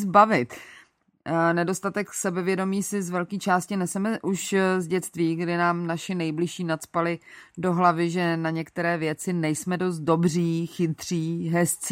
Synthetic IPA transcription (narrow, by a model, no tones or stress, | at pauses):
zbavɪt̪ | nɛdo̞st̪at̪ɛksɛbɛvjɛdo̞miːsɪzvɛlkiːt͡ʃaːscɪnɛsɛmɛʔuʃzɟɛt̪t͡st̪viːɡdɪnaːmnaʃɪnɛjblɪʃiːnat͡spalɪdo̞ɦlavɪʒɛnaɲɛkt̪ɛɾɛːvjɛt͡sɪnɛjsmɛdo̞st̪̚do̞briːxɪt̪r̝̥iːɦɛst͡s